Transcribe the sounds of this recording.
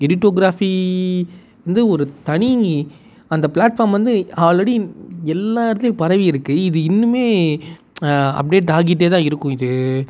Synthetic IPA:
ɪɾɪʈːoːɡɾaːfi | ʋɐnd̪ɯɔɾɯt̪ɐɳiɡi | ɐnd̪ɐpɭaːʈfaːɾmʋɐnd̪ɯaʋɐɭɐɽiɛlːaːɪɾɐt̪ːɪlpɐɾɐʋiɪɾɯkːɯɪðɯɪnːɯmeː | ɐ̰p̚ɖeːʈ̬aːɣɪʈ̬ːeːt̪̬ãːɪɾɯkːʊ̃ɪðɯ

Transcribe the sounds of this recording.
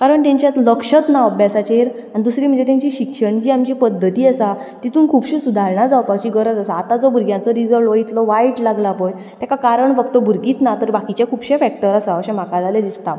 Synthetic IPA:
kaɾəɳt̪ãɲt͡ɕjat̪ləkɕət̪naəbjasat͡ɕeɾ | añid̪usɾiːm̤əɳd͡ʑet̪ãɲt͡ɕiɕikʂəɳd͡ʑiːamt͡ɕipəd̪ːət̪iːasat̪it̪ʰuːnkʰuːpɕisud̪ʱaɾɳad͡zaʋpaɕiɡəɾəd͡zasaːt̪ad͡zɔbʱuɾɡjãnt͡sɔɾid͡zəʋɖʋəit̪lɔʋaiʈlaɡlapɔj | t̪jakakaɾəɳfəkt̪ɔbʱuɾɡiːt̪nat̪əɾbakit͡ɕjakʰuːbɕefɛk̚ʈəɾasaəɕãm̤akad͡zaled̪ist̪a

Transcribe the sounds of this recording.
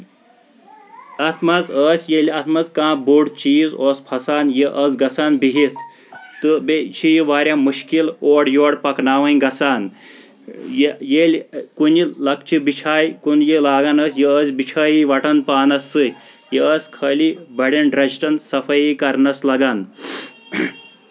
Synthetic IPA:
ɐt̪ʰmɐzəːsjelɐt̪ʰmɐzkãːbuɽt͡ʃiːzoːspʰɐsaːnjeʔɐd͡zɡɐsaːnbiɦit̪ʰ | t̪ɨbet͡ʃʰijiʋaːɾjamuʃkiloːɽjoːɽpɐknaːʋɐnɡɐsaːn | jejelkunilɐk̚t͡ʃibit͡ʃʰaːjikunjilaːɡanəsʲjiəzʲbit͡ʃʰaːjiʋɐʈɐnpaːnɐsːɨ | jeəsʲkʰəːlibɐɽenɖɾɐʃʈɐnsɐfɐjikɐɾnɐslɐɡaːn

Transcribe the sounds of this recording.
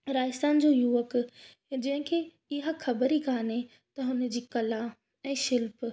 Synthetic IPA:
ɾaːjɪsanɪ̆d͡ʑoːjuːʋək | d͡ʑɐ̃ɦɪ̃kʰeː | ɪɦaxʰɐbəɾikʰaːne | t̪ɐɦʊnəd͡ʑiːkɐlã | ɛ̃ːʃɪlp

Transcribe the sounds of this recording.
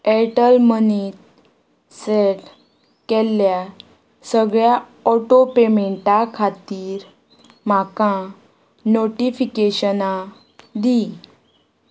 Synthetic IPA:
ɛʈəlmənit̪ | seʈ | kɛlːja | səɡɭja | ɔʈopemeɳʈakʰat̪iːɾ | makã | noʈifikeɕəna | d̪i

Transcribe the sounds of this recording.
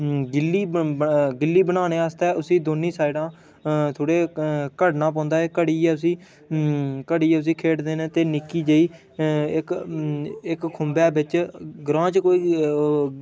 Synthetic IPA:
ɡɪlːiːɡɪlːiːbənaːneːaːst̪ɛːʔʊsĩːd̪oːniːsaːiɖãː | t̪ʰoːɽeːkəɽnãːp̬ɔ̃ːnd̪aːeːkəɽiːɛːʊsĩː | kəɽiːɛːʊs̬iːkʰeːʈd̪eːnẽːt̪eːnɪkːiːd͡ʒəiː | ɪk | ɪkkʰːʊmbaːbɪt͡ʃɡɾãːt͡ʃkoːiː

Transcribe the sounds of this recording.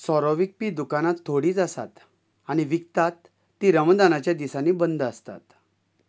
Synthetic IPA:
sɔɾɔʋik̚piːd̪ukanat̪ʰːoɽiːt͡sasa̰t̪ | aɽ̃iʋik̚t̪at̪ː | iːɾəmd̪anat͡ɕjad̪isaniːbənd̪əst̪a̰t̪

